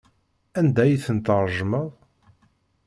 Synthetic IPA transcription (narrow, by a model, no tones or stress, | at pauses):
ænd̪æjiθənt̪əɾˤʒməðˤ